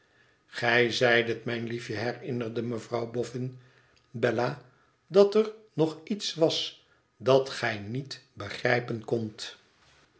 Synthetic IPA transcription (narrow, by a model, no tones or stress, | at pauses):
χɛjzɛjdətmɛjnlifjəɦɛrɪnərdəməvrɑwbɔfɪn | bɛlaː | dɑtərnɔχitsʋɑs | dɑtχɛjnitbəχrɛjpənkɔnt